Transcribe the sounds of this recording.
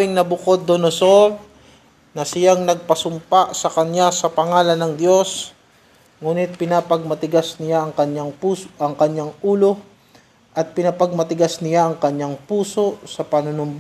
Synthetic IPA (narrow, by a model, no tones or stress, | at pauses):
ɪŋnɐbʊkod̪ːonosoɾ | nɐsɪjaŋnɐɡ̚pɐsʊmpasɐkɐnjasɐpɐŋaːlɐnːɐŋd̪jo̞s | ŋuːnɪt̪̚pɪnapɐɡ̚mɐt̪ɪɡasnɪjaɐŋkɐɲjaŋpuːʔɐŋkɐɲjaŋʔuːlo̞ | ʔɐt̪̚pɪnɐpɐɡ̚mɐt̪ɪɡasnɪjaʔɐŋkɐɲːaŋpuːso̞sɐpɐnʊnʊmb